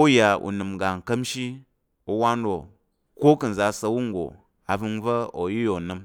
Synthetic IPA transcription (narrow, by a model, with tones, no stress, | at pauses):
u˦ja˨ṵ˨nɨ˨m˨ɡa˨ŋ˨kɐ˦mʃi˦ | o˧wa˦n˦ɾo˨ | ko˦kɨ˨n̩˨za˨sɐ˧wu˦ŋ˦ɡo̰˨ | a˨vɨ˧nvɐ˦o˨ji˦jo˨nɨ˧m